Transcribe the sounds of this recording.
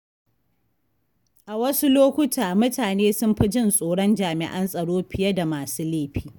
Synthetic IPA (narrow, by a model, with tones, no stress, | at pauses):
ʔa˨wɐ˦su˦loː˦kʷʊ˦tʰaː˨mʊ˦taː˨neː˦sʊ˦mɸɪ˦d͡ʒɪ˦˨nsʼoː˨ɽɔ˦nd͡ʒaː˨mɪ̰˨ʔɐ˦nsʼɐ˨ɽoː˦ɸɪ˨jɐ˦da˨maː˨suː˦leː˦˨ɸiː˦